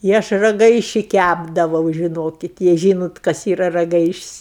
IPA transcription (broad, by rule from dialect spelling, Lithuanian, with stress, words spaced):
ɪ ˈɐʃ rɐˈɡɐɪʃʲɪ ˈkʲæbdɐʋɐʊ ʒʲɪˈnoːkʲɪt jɛɪ ˈʒʲiːnoːt kɐs ˈiːrɐ rɐˈɡɐɪʃʲɪsʲ